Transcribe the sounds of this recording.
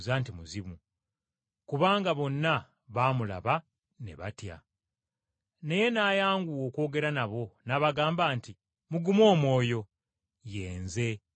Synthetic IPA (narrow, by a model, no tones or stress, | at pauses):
zantimuzimu | kuβaːŋɡaβo̞nːa | βaːmula̰βa | ne̞̰βa̰tja̰ | ne̞je̞naːjaːŋɡuwo̞ːko̞ːɡe̞ɾanaβo̞naːβaɡaːmbaːnti | muɡumo̞ːmwo̞ːjo̞ | je̞ːnze̞